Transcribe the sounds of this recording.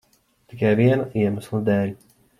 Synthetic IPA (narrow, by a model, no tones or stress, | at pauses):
t̪ikajviɛnaʔiɛmaslˠad̪ɛːlʲ